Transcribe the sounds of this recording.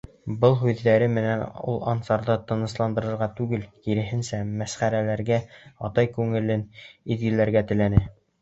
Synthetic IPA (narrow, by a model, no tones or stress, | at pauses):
bɤlˠɦʉðːæɾɘmɘ̆nænṵlˠɑ̰nsɑɾðɤt̪ɤ̆nɤ̆slˠɑnd̪ɤ̆ɾɤ̆ɾʁɑt̪ʉɡɘlkiɾɘ̆ɦɘ̆nsæmæsχæɾælæɾɡæɑt̪ɑjkʉŋɘ̆lɘniðɡɘ̆læɾɡæt̪ɘ̆lænɘ